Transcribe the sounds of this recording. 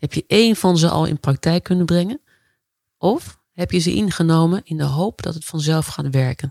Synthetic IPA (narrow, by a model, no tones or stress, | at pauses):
hɛpjəʔeːnfɔnzəʔɔ̰lˠɪ̰̃nprak̚tɛjkːɵnənbrɛŋən | ʔɔf | hɛpjəzəʔɪnχənoːmənɪndəɦoːpdɔ̰tətfɑnzɛlˠfxaːtʋɛɹkən